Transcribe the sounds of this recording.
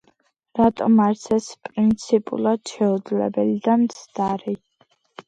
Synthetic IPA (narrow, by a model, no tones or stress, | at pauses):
ɾat̪ʼɔmaɾsɛspʼɾint̪sʰipʼṵlˠad̪̥ʃɛud̪zlɛ̰bɛlid̪amt̪sʰd̪aɾi